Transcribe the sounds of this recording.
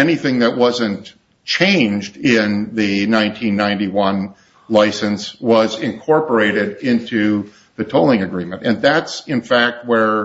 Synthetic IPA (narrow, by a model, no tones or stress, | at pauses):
ɛniθɪ̃ŋðɨt̚wʌzɨ̃n | t͡ʃʰẽɪ̃nd͡ʒdɪ̃nðɨnãɪ̃ntʰĩnːãɪ̃ntiwʌ̃n | laɪsɨ̃nswʌzɪ̃nkʰɔɹpə˞eɪɾɪɾɪ̃ntʰʉ | ðɨtʰoʊlˠɪ̃ŋɨɡɹĩmɨ̃ntɨ̃nðætsɨ̃nfæk̚t̚wə˞